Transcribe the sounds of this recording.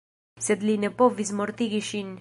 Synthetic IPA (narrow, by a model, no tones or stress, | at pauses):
sɛd̪linepovizmoɾt̪iɡiʃin